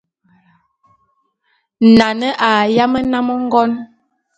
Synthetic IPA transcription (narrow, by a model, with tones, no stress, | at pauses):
na˨nə˦ʔa˨ja˦mə˦na˦mə˦ŋ̩˦ɡɔ˦n